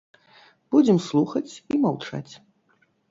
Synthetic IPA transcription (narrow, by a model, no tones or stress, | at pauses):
b̥ud͡zʲɛmslˠuxɐt͡sʲimawt͡ʂa̰t͡sʲ